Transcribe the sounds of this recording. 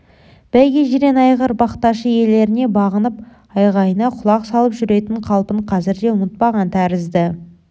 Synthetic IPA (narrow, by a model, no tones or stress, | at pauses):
b̥æjɡʲeʒɪɾe̞nɑjʁəɾbɑqt̪ɑʃəje̞le̞ɾɪne̞bɑʁənəp | ɑjʁɑjənɑqʰʊlˠɑqsɑlˠəpʒʏɾe̞t̪ɪɴqʰɑlˠpəɴqʰɑzɪɾd̪e̞ʊnət̪̚pɑʁɑnt̪ʰæɾɪzd̪ɪ